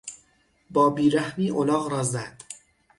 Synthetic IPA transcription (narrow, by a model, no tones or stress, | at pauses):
bɒːbiːɾæhmiːʔolɒːɣɾɒːzæd̪̥